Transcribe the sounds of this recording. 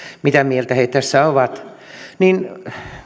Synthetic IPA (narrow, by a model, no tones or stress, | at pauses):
mit̪æmielt̪æheit̪tæsːæoʋɑt̪ | nin